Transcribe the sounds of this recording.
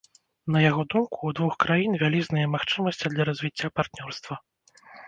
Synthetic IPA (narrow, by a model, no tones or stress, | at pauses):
nɐjaɣɔd̪umkuːd̪vuxkɾajinvʲalʲiznɨjɛmaxt͡ʂɨmɐsʲt͡sʲid̪lʲɐɾɐzʲvʲit͡sʲːapart̪nʲɔrst̪vɐ